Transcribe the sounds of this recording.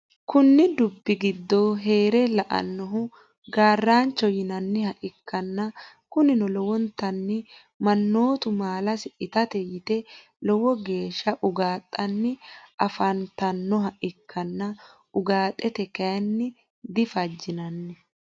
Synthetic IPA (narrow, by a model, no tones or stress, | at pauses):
kʊnːɪd̪ʊbːɪɡɪd̪ːɔɦe̞ːɾɛlɐʔɐ̰nːɔɦʊ | ɡaːrːaːnt͡ʃːɔjɪnɐnːɪhɐʔɪkːɐnːɐ | kʊnɪnɔlɔwɔnt̪ːɐnːɪ | mɐnːo̞ːt̪ʊmaːlɐsɪʔɪt̪ɐt̪ɛjɪt̪ɛ | lɔwɔɡe̞ːʃːɐʔʊɡaːt̪ʼːɐnːɪʔɐfɐnt̪ɐnːɔɦɐʔɪkʰːɐnːɐ | ʊɡaːt̪ʼːɛt̪ɛkɐjɐnːɪ | d̪ɪfɐd͡ʒːɪnɐnːɛ